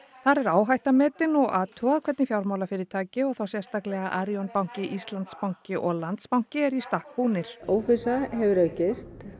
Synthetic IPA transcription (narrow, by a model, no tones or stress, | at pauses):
θaɾɛɾaːwɦajht̪amɛːt̪ɪnɔɣaːt̪ʰʏaðkʰvɛt̪nɪfjawɾmawlafɪɾɪɾ̥t̪ʰaːcɪɔɣθawsjɛst̪aklɛɣaʔaɾjɔnpawŋ̥cɪʔist̪lant̪spawŋ̥cɪʔɔɣlant̪spawŋ̥cɪɛɾist̪ahk̚puːnɪɾ̥oːwfɪsaɦɛvɪɾœːɥcɪst̪